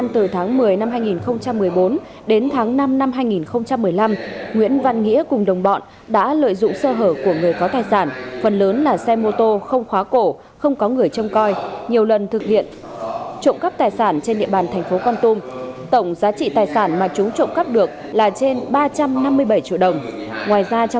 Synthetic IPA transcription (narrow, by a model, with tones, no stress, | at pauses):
nt̪ɨ˨˩t̪ʰaː˨˦ŋmɨ˨˩əjna˧mhaː˧jŋi˨˩nxə˧wŋ͡mt͡ɕa˧mːɨ˨˩əjɓo˨˦n | ɗe˨˦nt̪ʰaː˨˦ŋna˧mna˧mɦaː˧jŋi˨˩nxə˧wŋ͡mt͡ɕa˧mːɨ˨˩əjla˧mŋwḭ˧˥ənva˧nŋḭ˧˥əkʊ˨˩ŋ͡mɗə˨˩wŋ͡mɓɔ̰˧˨n | ɗa̰ː˧˥lə̰ː˧˨jzʊ̰˧˨ŋ͡msəː˧ɦəː˧˩p̚ku˧˩əŋɨ˨˩əjkɔ˨˦wt̪aː˨˩jsaː˧˩nfə˨˩nləː˨˦nlaː˨˩sɛ˧mo˧t̪o˧xə˧wŋ͡mxwaː˨˦ko˧˩ | xə˧wŋ͡mkɔ˨˦ŋɨ˨˩əjt͡ɕə˧wŋ͡mkɔ˧jɲi˨˩əwlə˨˩nt̪ʰɨ˨˩k̚hḭ˧˨ən | t͡ɕo̰˧˨nkə˦˥p̚t̪aː˨˩jsaː˧˩nt͡ɕe˧nɗḭ˧əɓaː˨˩nt̪ʰɛ˨˩ŋ̟fo˨˦kɔ˧nt̪u˧mt̪ə˧˩wŋ͡mzaː˨˦t͡ɕḭ˧˨t̪aː˨˩jsaː˧˩nmaː˨˩t͡ɕʊ˨˦ŋ͡mt͡ɕo̰˧˨ŋ͡mkə˦˥p̚ɗɨ˨˩ək̚ | laː˨˩t͡ɕe˧nɓaː˧t͡ɕa˧mna˧mːɨ˧əjɓə˧˩jt͡ɕḭ˧˨wɗə˨˩wŋ͡mŋwaː˨˩jzaː˧t͡ɕ